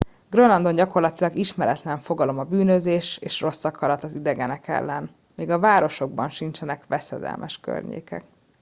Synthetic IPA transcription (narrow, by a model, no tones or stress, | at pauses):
ɡ̥ronɒnd̪o̞nɟɒko̞rlɒt̪ilɒɡiʃmɛɾɛt̪lɛɱfo̞ɡɒlo̞mɒbyːnøzeːʃeːʃro̞sːɒkɒɾɒt̪ɒzid̪ɛɡɛnɛkɛ̰lːɛn | meːɡɒvaːɾo̞ʃo̞ɡbɒnʃint͡ʃɛnɛkʋɛsɛd̪ɛ̰lmʔɛʃkø̰rɲḛːkɛ̰k̚